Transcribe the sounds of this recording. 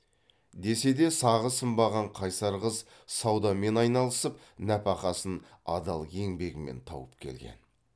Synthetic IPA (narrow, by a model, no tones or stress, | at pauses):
d̪e̞se̞d̪e̞sɑʁəsəmbɑʁɑɴqʰɑjsɑɾʁəz | sɑwd̪ɑme̞nɑjnɑlˠəsəp | næpɑqɑsən | ɑ̰d̪ɑlˠje̞ŋbe̞ɡʲɪme̞̰nt̪ʰɑ̰wəpkʲʰe̞̰lɡʲe̞̰n